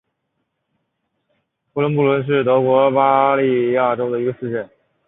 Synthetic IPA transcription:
pu˥lwə˧˥np̬u˥˩lwə˧˥nʂ̬ɻ̩˥˩t̪ɤ˧˥kwɔ˧˥pa˥li˥˧ja˥˩ʈ͡ʂo˥ʊd̪ə˨i˧˥ɡə˧sɹ̩˥˧ʈ͡ʂə˥˩n

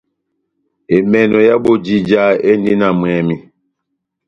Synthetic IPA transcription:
e˨mɛ˨nɔ˨ja˦bo˨d͡ʒi˨d͡ʒa˦e˦n˦di˦na˨mwɛ˨mi˨

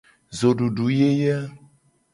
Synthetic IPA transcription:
zo˨ɖu˨ɖu˨˦je˦jɛ˦

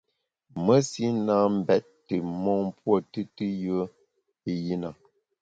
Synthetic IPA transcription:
mə˦si˦na˦m̩˦bɛ˦tːɨ˨mɔ˦ŋ˦pwɔ˦˨tɨ˦tɨ˦jə˦ | i˦ji˦na˨

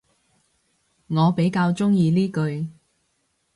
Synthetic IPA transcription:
ŋɔː˨˧pe˨˥jkaː˧wt͡sʊ˥ŋjiː˧liː˥kɵ˧ɥ

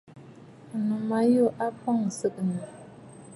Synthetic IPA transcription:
nu˨ma˨˦jo˦˨ʔa˦pɔ˦˨ŋsə˦ʔnə˨

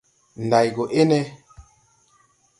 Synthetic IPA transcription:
n˨da˨jɡo˨ʔe˦nɛ˦

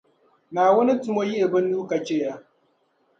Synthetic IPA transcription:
naː˨wɐ˦ni˦tʊ˨mo˦ji˦ʔɪ˨bɪ˦nːuː˦kɐ˨t͡ʃeː˦ja˦

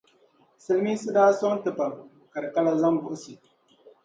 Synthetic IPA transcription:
sɨ˦lmi˦sɨ˦daː˦so˦n˦tɨ˨pa˨ | ka˨ɾka˦la˨za˦mbʊ˨ʔʊ˦si˨

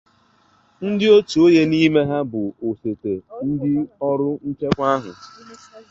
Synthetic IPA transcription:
n̩˦dɪ˦o˦tu˨o˦je˦ni˦me˦ɦa˦bʊ˨o˨se˨te˨n̩˦dɪ˦ɔ˦ɾʊ˦n̩˦t͡ʃe˦kʷa˦ɦʊ̰˨

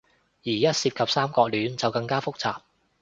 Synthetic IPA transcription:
jiː˨˩jɐ˦˥t̚siː˧p̚kʰɐ˨p̚saː˥mkɔː˧k̚lyː˨˧nt͡sɐ˨wkɐ˧ŋkaː˥fʊ˥k̚t͡saː˨p̚

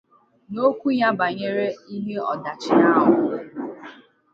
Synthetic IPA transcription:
no˦kʷu˦ɲa˦ba˨ɲe˦ɾe˦i˦ɦe˦ɔ˨da˨t͡ʃɪ˨na˦ɦʊ˦

